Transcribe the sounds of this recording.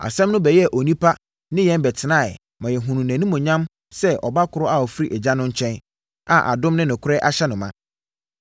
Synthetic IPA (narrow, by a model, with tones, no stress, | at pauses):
a̰˨sɛ̃˦mnʊ̃˦bɛ˨jɛ˦˨ʔo˨nĩ˦pʰa˦ | nɪ̃˦jɛ̃˦nbɛ˨tʰɪ˨nã˦˨ | mã˨jɛ˨ɦũ˨nũ˨næ̃˨nũ˦mʊ̃˨ɲã˦m | sɛ˦ʔɔ̰˨ba˦kʰʊ˨ɾʊ˦a˨ɔ˨fi˦ɾi˦ʔɛ˨d͡ʑa˦nʊ̃˦ɲ̩˦t͡ɕʰɛ̃˦n | a̰˨ʔa̰˨dʊ̃˦mnɪ̃˦nɪ̃˨kʰʊ˦ɾɛ˦ʔa˦ɕɛ˦nʊ̃˨mã˦